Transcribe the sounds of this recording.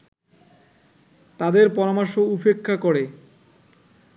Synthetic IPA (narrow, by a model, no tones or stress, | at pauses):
t̪ad̪eɾpɔɾamaɾʃoupekʰːakoɾe